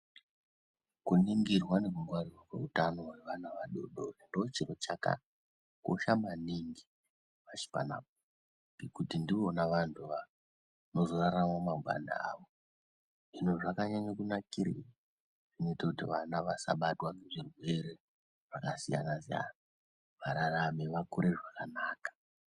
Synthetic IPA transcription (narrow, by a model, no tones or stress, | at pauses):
kuniŋɡirwane̞kuŋɡwarirwakwe̞̰utano̞weʋanaʋaɗo̰ɗoendoot͡ʃirot͡ʃaka̰ | ko̰ʃamaniŋɡi | ʋat͡ʃi̥pa̰na̰p̚o | kikutindiʋo̞naʋantʰuʋa | no̞zo̞raɾamwamaɡʱwa̰nda̰a̰ʋo | ʐinoʐakaɲaɲakunakiɾḭa | ʐ̥ino̞itakutiʋanaʋasa̰ɓatwaneʐirwe̞ɾe̞ | ʐ̥akasija̰nasija̰na | ʋaɾarame̞ʋakuɾʔe̞ʐakanaːkḁ